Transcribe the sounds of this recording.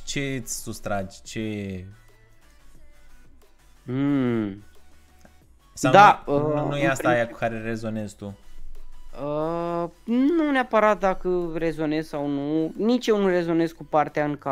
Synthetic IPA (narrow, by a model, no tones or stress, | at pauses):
t͡ʃe̞t̪sʲsust̪ɾad͡ʒʲt͡ʃe̞ | sad̪aənujeasaajakukaɾerezo̞nezt̪u | ə | nuneapəɾat̪̚d̪akəre̞zo̞ne̞zsawnunit͡ʃjenure̞zo̞ne̞skupart̪eaɨŋka